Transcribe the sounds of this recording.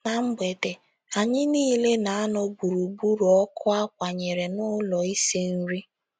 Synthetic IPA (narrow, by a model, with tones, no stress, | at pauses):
na˨m̩˦be˨te˨ | a˨ɲɪ˦niː˦le˦na˨a˦nʊ˦bu˨ɾu˨bu˦ɾɔ˦kʰʊ˦a˦kʷa˨ɲe˨ɾe˨nʊ˦lɔ˨i˦se˦n̩˦ɾi˦